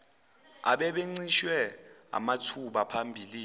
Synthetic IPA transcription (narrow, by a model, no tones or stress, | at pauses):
a̰ɓɛɓeŋ͡ǀiʃwɛ | a̰matʰuɓapʰambʱiːli